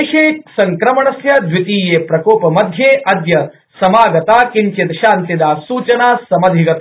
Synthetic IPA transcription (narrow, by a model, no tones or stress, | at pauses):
ʃeːsɐŋkɾɐmɐɳɐsjɐd̪ʋit̪iːjeːpɾɐkoːpɐmɐd̪ʱjeːʔɐd̪jɐ | sɐmaːɡɐt̪aːkiɲt͡ʃit̪ɐʃaːnt̪id̪aːsuːt͡ʃɐnaːsɐmɐd̪ʱiɡɐt̪